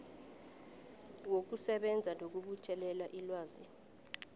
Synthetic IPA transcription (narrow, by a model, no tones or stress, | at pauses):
wok̬usɛɓɛnd͡zʱanok̬uɓutʰɛlɛlaʔilwaːzi